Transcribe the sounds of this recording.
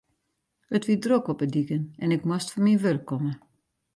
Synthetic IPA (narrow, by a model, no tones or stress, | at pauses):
ətʋidrokɔpədikənɛnɪkmastfɔnmiʋørkʰːɔmə